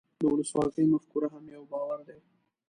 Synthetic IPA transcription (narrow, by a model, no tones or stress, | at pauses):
d̪əʊləswɑzəjmafkuɾaɦamjawbɑwaɾd̪e